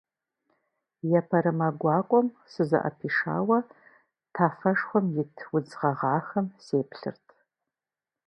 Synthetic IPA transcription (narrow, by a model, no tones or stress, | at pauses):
jɛpʰɐɾɨmɐɡʷɑːkʷʼɔm | sɨzɐ̰ʔɐ̰pʰiːʂa̰ːwɐ | tʰaːfɐʂχʷɔmjɪtʰwʊd͡zʁɐʁɑːxɐmseːpɬɨ̰rtʰ